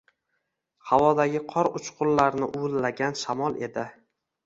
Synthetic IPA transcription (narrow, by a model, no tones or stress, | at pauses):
hawɒd̪aɡʲɪqʰɒɾʊt͡ʃqʰʊllaɾnɪʔʊɪlːaɡʲanʃamɒlˠe̞d̪ɪ